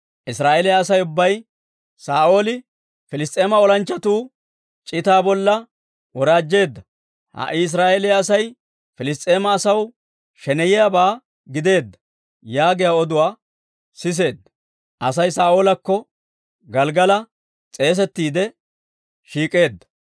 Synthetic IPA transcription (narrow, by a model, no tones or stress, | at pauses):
ʔɪsɾaːʔelɪjaːsɐjʊbːɐj | saːʔo̞ːlɪ | fɪlɪst̪ʼe̞ːmɐɔlɐnt͡ʃːɐt̪uː | t͡ʃʼɪt̪aːbɔlːɐ | wɔɾaːd͡ʒːe̞ːd̪ːɐ | hɐ̰ʔɪs̬ɾaːelɪjaːsɐj | fɪlɪs̬t̪ʼːe̞ːmɐːsɐw | ʃɛnɛjɛjabaː | ɡɪd̪e̞ːd̪ːɐ̥ | jaːɡɪjaɔd̪ʊwaː | sɪs̬e̞ːd̪ːɐ | ʔɐsɐjsaːo̞ːlɐkːɔ | ɡɐlɡɐlɐ | t͡sʼe̞ːs̬ɛt̪ːiːd̪ɛ | ʃiːkʼe̞ːd̪ːɐ̥